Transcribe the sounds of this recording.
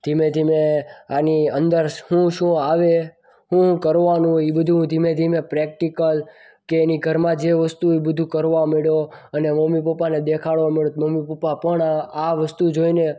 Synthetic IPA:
d̪̥ʱimẽd̪ʱimeaniənd̪əɾhũʃũaʋe | ɦũkəɾʋanũibəd̪ʱũd̪ʱimẽd̪ʱimepɾek̚ʈikəl | keːniɡʱəɾmãd͡ʒeʋəst̪uibəd̪ʱũkəɾʋameɭoəneməmipəpaned̪ekʰaɭʋameɭot̪məmipəpapəɳaaʋəst̪ud͡ʒoine

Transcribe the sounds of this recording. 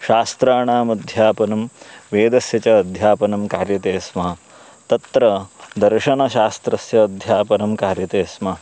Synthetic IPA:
ʃaːst̪ɾaːɳaːmɐd̪ʱjaːpɐnɐmʋeːd̪ɐsjɐt͡ʃɐːd̪ʱjaːpɐnɐmkaːɾjɐt̪eːsmɐɦɐ | t̪ɐt̪ɾɐd̪ɐɾʃɐnɐʃaːst̪ɾɐsjɐːd̪ʱjaːpɐnɐmkaːɾjɐt̪eːsmɐɦɐ

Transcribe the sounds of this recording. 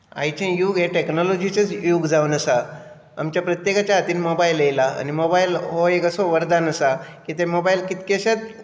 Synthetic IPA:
a̰jt͡ɕẽjuːɡɦeʈeknɔlɔd͡ʑit͡sət͡sjuːɡd͡zaʋunəsa | a̰mt͡ɕjapɾət̪jekat͡ɕjaɦat̪iːnmobailejlaa̰nimobailɦoekəsoʋəɾd̪anəsakit̪emobailkit̪keɕat̪

